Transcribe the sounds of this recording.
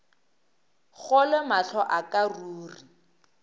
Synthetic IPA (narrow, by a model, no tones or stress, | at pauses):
ɣɔlɪmaɬʰɔʔakaruːri